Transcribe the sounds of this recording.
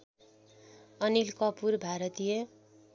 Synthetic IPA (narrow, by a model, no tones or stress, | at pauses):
ʌnilkʌpurbʱaɾʌt̪ijʌ